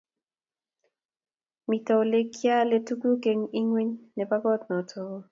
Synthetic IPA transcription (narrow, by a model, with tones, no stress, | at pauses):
mi˨tɔ˨le˦kja˦le˦tu˦ku˦ke˨ŋi˦ŋwi˦ɲnɛ˨ba˦ɡɔ˦t̪nɔ˨tʰɔ˨˦